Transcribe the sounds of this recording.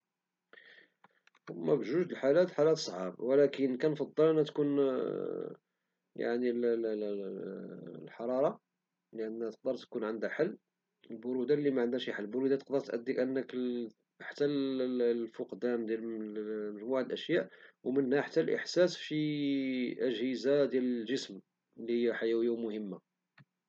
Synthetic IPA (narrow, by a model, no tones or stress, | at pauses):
mːæbʒuʒəlħalæt̪ħalæt̪sˤʕɑbwlækənkænfɑd̪ˤːəlʔənhæt̪kun | ja̰ʕnil | lħɑɾˤɑɾˤɑ | ləʔənːhæt̪ə̥q̚d̪əɾˤt̪kunʕənd̪æħalː | əlbʊɾud̪alːimæʕənd̪æʃiħalːbʊɾud̪at̪ə̥q̚d̪əɾˤt̪ʔæ̰d̪ːikʔənːək | ħat̪ːæl | fʊqd̪æmd̪jælməʒmuʕaəlʔəʃjæʔwmənhæħat̪ːælʔə̰ħsæsʃi | ʔəʒhəzad̪jæləlʒəsm | lːihəjːaħajæwijːawmʊhəmːa